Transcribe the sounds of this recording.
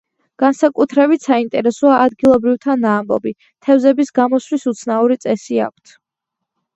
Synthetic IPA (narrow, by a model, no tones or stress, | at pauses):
ɡ̥ansakʼut̪ʰɾɛbit̪ʰsaint̪ʼɛɾɛsɔaːd̪ɡilˠɔbɾivt̪ʰanaːmbɔ̰bi | t̪ʰɛvzɛbisɡamɔswisut̪sʰnauɾit̪sʼɛsia̰k̚ʷʰt̪ʰ